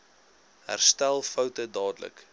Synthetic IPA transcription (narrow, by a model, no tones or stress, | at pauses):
ɦæ̰rstælˠfəwtədɑːdələ̰k